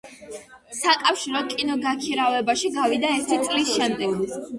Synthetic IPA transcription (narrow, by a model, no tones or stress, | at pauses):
sakʼafʃiɾɔd̪̚kʼinɔɡakʰiɾavɛbaʃiɡavid̪aɛɾt̪ʰit̪sʼlisʃɛmt̪ʼiɡli